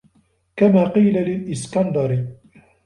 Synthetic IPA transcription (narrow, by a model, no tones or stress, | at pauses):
kamaːqiːlalɪlʔɪskand̪ɑɾ